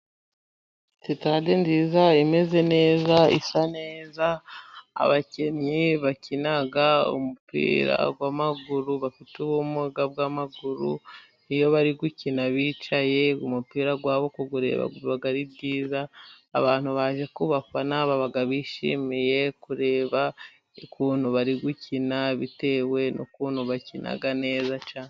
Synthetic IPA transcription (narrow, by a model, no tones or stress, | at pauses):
sitade̞nziːzaime̞ze̞ne̞ːzaḭsane̞ːza̰ː | βace̞ɲɲiβacinaɡaṵmupḭːɾa̰ɡwaːmaɡuɾuβafituβumuɡabɡamaɡuɾṵ | nijo̞βaɾiɡucinaβiːt͡ʃaje̞umupiːɾaɡwaːβo̞koɡuɾe̞̰ːβa̰ɡuβaɡaɾibɟiːzaː | βaːn̥uβaʒekuβafanaβaβaɡaβiːʃḭːmije̞kuɾe̞ːβa | ikuːn̥uβaɾiɡucinaβite̞we̞nʔo̰kuːn̥huβacinʔa̰ɡane̞ːzat͡ʃaːne